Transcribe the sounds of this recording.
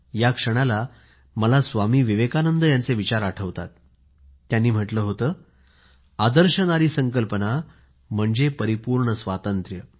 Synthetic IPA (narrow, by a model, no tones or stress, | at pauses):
jakʂəɽ̃ala | məlasʋamiːʋiʋekanənd̪əjant͡seʋit͡ɕaɾaʈʰəʋt̪at̪̚ː | janːiːm̤əʈləːɦot̪əː | ad̪əɾɕənaɾiːsəŋkəlpəna | m̤əɳd͡zepəɾipuːɾɳəsʋat̪ənt̪ɾjə